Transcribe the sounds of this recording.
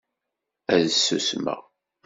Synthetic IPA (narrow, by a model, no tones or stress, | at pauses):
æðsːṵsmə̰